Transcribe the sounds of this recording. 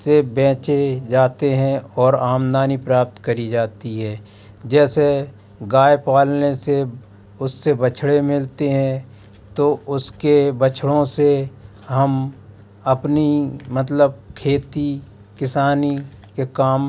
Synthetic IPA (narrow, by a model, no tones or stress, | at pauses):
ebɛ̃ːt͡ʃed͡ʒaːt̪eɦɛ̃ɔːɾaːmd̪aːnipɾaːp̚t̪kɐɾid͡ʒaːt̪iɦɛː | d͡ʒɛːse | ɡaːjpaːlnese | ʊsːebət͡ʃʰɽemɪlt̪eɦɛ̃ | t̪oʊskebət͡ʃʰɽõse | ɦɐm | ɐpnimət̪ləb̚kʰeːt̪i | kɪsaːni | kekaːm